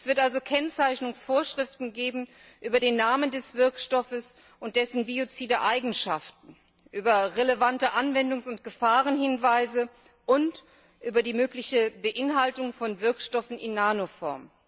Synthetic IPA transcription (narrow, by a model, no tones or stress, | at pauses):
ʔɛsv̥ɪɐtʔalzokʰɛnt͡saɪçnʊŋsfoːɐʃʁ̥ɪftn̩ɡeːbm̩ | ʔyːbɐdeːnːaːməndɛsv̥ɪɐkʃtɔfəs | ʊnt̚d̥ɛsn̩biot͡siːdɐʔaɪɡŋ̩ʃaftn̩ | ʔyːbɐʁeləvantəʔanvɛndʊŋsʊntɡ̥əfaːʁənhɪnvaɪzə | ʔʊnt | ʔyːbɐdiːmøːklɪçəbəʔɪnɦaltʊŋfɔnvɪɐkʃtɔfn̩ɪ̰nːaːnofɔ̰ɐm